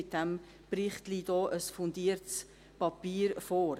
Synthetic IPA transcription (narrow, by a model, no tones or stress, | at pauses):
ɪt̚d̥æm | pɾɪχt̪lid̥ɔːʔəsfʊnd̪iːəɾts | pɑpiːɾfoːɾ